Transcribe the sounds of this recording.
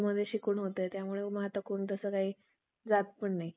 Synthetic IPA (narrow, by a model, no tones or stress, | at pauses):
məd̪ʱːjeɕikuːɳɦot̪ət̪jamuɭeməɦat̪ʋəkoːɳt̪̬əsəːkaɦiː | d͡zat̪̚pəɳnaɦi